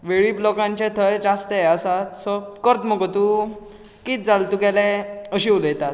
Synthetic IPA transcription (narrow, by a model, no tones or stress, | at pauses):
ʋeɭiːblɔkãɲt͡ɕẽt̪ʰəjd͡zast̪eəsat̪səkəɾt̪məkt̪u | kiːt̪̚d͡zalt̪ukelɛ̃əɕiːuləjt̪at̪̚